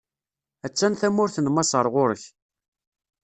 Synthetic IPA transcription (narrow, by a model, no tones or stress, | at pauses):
æt͡sːænθæmʊɾθənmɑsˤəɾˤʁʊɾəç